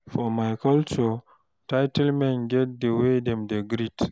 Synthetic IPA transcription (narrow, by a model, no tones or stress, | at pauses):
fɔmajkalt͡ʃɔ | tajtɛlmɛ̃nɡɛt̚dewedɛmdeɡɾit